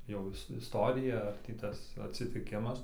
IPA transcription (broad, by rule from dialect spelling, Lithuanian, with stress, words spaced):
jɛʊ ˈɪs ɪsˈtoːrʲɪjɛ ɐr ˈtʲiː ˈtɐs ɐtʲsʲɪtʲɪˈkʲɪmɐs